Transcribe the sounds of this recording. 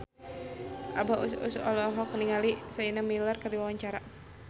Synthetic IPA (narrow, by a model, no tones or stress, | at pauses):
ʔabaʔusṵsuɔlɔɦɔkniŋalisainamilarkardiwawaɲt͡ʃaɾa